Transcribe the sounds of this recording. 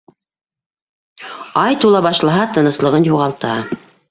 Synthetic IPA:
ɑjt̪ulˠɑβɑʃlˠɑɦɑt̪ɤ̆nɤ̆slˠɤ̆ʁɤnjuʁɑlˠt̪ɑ

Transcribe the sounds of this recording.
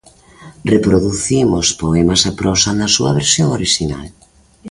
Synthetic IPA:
repɾoðuθimʊspoɛmasepɾɔsɐnɐsuɐ̰βeɾsjoŋoɾiʃina̰l

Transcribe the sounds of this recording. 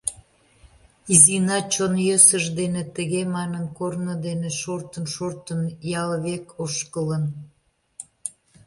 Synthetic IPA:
izinɑt͡ɕonjøsəʒd̪enet̪əɣemɑnənkornəd̪eneʃort̪ənʃort̪ənjɑlβekʰoʃkələn

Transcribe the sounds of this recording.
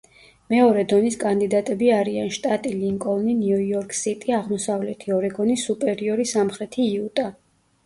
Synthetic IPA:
mɛɔɾɛd̪ɔniskʼand̪id̪at̪ʼɛbiaɾianʃt̪ʼat̪ʼiliŋkʼɔvninuiɔɾkʼsit̪ʼiaʁmɔsavlɛt̪ʰiɔɾɛɡɔnisupʼɛɾiɔɾisamχɾɛt̪ʰiːut̪ʼa

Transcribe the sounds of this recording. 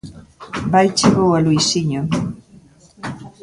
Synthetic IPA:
bajt͡ʃiβowalujsiɲo

